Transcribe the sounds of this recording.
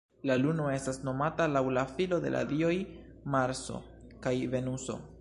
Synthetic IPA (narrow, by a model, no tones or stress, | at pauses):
laluno̞e̞stasno̞matalawlafilo̞de̞̰lʔa̰dio̞j | maɾso̞̰ | kajve̞nuso̞̰